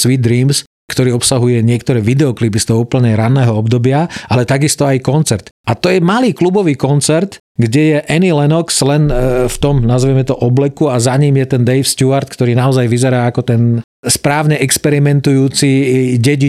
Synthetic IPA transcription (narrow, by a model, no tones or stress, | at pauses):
sʋid̪d̪ɾiːms | kt̪ɔɾiːɔpsaɦujɛɲɪɛkt̪ɔɾɛːʋid̪ɛɔklipist̪ɔʊupl̩ɲɛɾanːɛːɦɔɔbd̪ɔbɪaʔalɛt̪aɡist̪ɔajkɔnt͡sɛɾt̪at̪ɔjɛmaliːklubɔʋiːkɔnt͡sɛɾt̪ | ɡɟɛjɛʔɛnilɛnɔkslɛnft̪ɔmnazʋɛmɛt̪ɔʔɔblɛkuazaɲiːmjɛt̪ɛnd̪ɛjfst̪uaɾt̪kt̪ɔɾiːnaɔzajʋizɛɾaːakɔt̪ɛn | spɾaːʊɲɛʔɛkspɛɾimɛnt̪ujuːt͡siɟɛɟi